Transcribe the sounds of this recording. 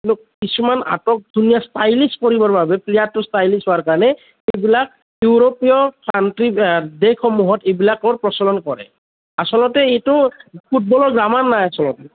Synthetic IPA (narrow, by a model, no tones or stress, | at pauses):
lʊkkisumana̰tɔk̚dʱunijastajliskoɹibɔɹbabɛplijatːʊstajlisɦoaɹkaɹanɛ | ejbilak̚ | juɹopijɔpʰantɹidekʰɔmuɦɔtebilakɔɹpɹɔsɔlɔnkɔɹɛ̰ | asɔlɔtɛejtʊpʰut̚bɔlɔɹɡɹamanːajasɔlɔtɛ